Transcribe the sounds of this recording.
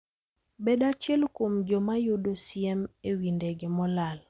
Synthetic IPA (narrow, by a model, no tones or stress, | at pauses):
beɗat͡ʃɛlkwomd͡ʒɔmajudosiɛmewindeɡemɔlal